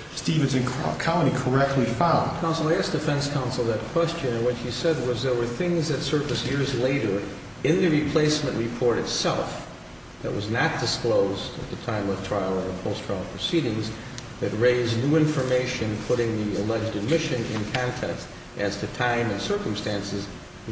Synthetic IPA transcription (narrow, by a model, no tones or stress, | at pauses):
stivɨ̃nzɨ̃nʰkʰãʊ̃nikʰə˞ɛk̚tʰˡlifãʊ̃nkʰãʊ̃nsl̩ˠaɨsd̥ɨfɛ̃nskʰãʊ̃nsl̩ˠðɨt̚kʰw̥ɛst͡ʃɨ̃nɨ̃nwɨt͡ʃhisɛd̚wʌzðə˞wə˞θɪ̃ŋzðɨtsɜ˞vɨsjɪɹzleɪɾə˞ | ɨ̃nðɨɹipʰl̥eɪsmɨ̃nʔɹʔipʰɔɹɾɨtsɛ̰lˠf | ðɨ̰ʔ̚wʔʌznɨt̚d̥ɨskloʊzdɨ̰t̪̚ðɨtʰãɪ̃mwəð̥tʰɹ̥aɪl̩ˠə̃˞əpʰoʊstʰɹ̥aɪl̩ˠpʰɹ̥ɨsiɾɪ̃ŋz | ðɨt̚ɹeɪznuɪ̃ɱfə˞meɪʃɨ̃npʰʊɾɪ̃ŋðiɨlɛd͡ʒdɨd̚mɪʃɨ̃nɪ̰̃nkʰɑ̃ntʰɛkst | ʔɨz̥tʰɨtʰãɪ̃mɨ̃nsɜ˞km̩stæ̃nsɨz